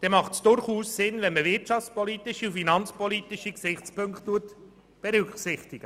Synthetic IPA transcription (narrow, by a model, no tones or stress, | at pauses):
d̥ɛmɑχtsd̥ʊɾχuːssɪnvɛnməvɪtt͡ʃɑft͡spɔliːtɪʃiufinɑnt͡spɔliːt̪ɪʃiksɪχt͡spɵŋkttːuət | b̥ɛɾʏksɪχtɪɡ̥ə